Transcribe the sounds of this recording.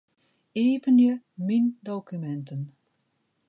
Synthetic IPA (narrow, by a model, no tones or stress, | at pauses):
eːpənjəmindowkymɛntən